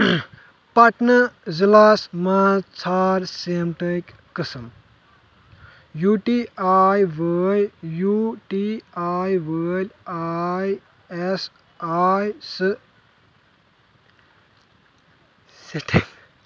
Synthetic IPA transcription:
pɐʈnɐzilaːsmat͡sʰaːɾsemʈəkʲ | kɨsɐm | juʈiaːjʋəːlʲjuʈiajʋəːlʲaj | es | ajs | siʈʰiŋ

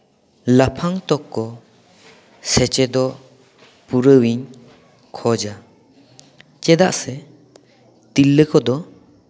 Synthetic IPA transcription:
lapʰaŋt̪ɔkːɔ | sɛt͡ʃɛd̪ɔ | puɾəwiɲ | kʰɔd͡ʒa | t͡ʃɛd̪aʔsɛ | t̪ilːəkʰɔd̪ɔ

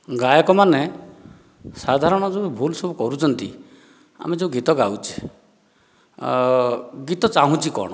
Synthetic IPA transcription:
ɡajɔkɔmane | sad̪ʱaɾɔɽ̃ɔd͡ʒeubʱulsɔbukɔɾut͡ʃʰɔnt̪ḭ | a̰med͡ʒeuɡit̪ɔɡawt͡ʃʰi̥ | ɡit̪ɔt͡ʃaɦũt͡ʃʰikɔ̰ɽ̃ɔ

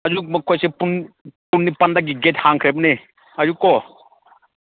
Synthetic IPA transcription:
ɐd͡ʒumɐkʰɔjsepun | punːipɐnd̪aɡiɡethaŋkʰɾebne | ɐd͡ʒukɔ

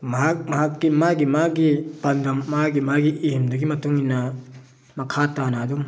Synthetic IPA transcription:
mɐɦak̚mɐɦakːimaɡimaɡipɐnd̪ɐmːaɡimaɡiʔiimdɐɡimɐtuŋinːa | mɐkʰatanadum

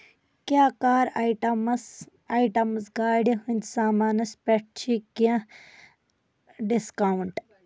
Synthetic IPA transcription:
kʲaːkaːɾaʈɐms | aiʈɐmsɡaːɖiɦunʲd̪saːmaːnɐspeʈ̚t͡ʃʰikiɐ̃ | ɖiskawɳʈ

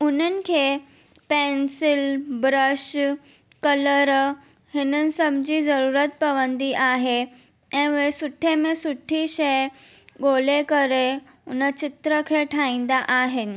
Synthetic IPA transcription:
unənkʰe | pensilbɾəɕ | kələɾ | hinənsəmd͡ʑiːd͡zəɾuɾət̪̚pəʋənd̪iʔaɦe | ɛ̃ʋesuʈʰːemesuʈʰiɕeɡolekəɾe | unət͡ɕit̪ɾəkʰeʈʰãĩnd̪aʔaɦen

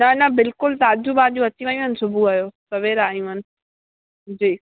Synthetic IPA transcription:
nɐnɐbɪlkʊlsaːd͡ʑʱubaːd͡ʑũɐt͡ɕiʋãĩɦənɪ̆sʊbʱuaːjoːsɐʋeɾaːijũʋənɪ̆ | d͡ʑiː

